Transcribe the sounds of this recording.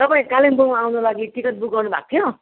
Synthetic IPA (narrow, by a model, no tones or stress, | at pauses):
t̪ʌpaĩkalimbomawnulaɡiʈikʌt̪̚buk̚ɡʌrnubʱa̰k̚t̪ʰjo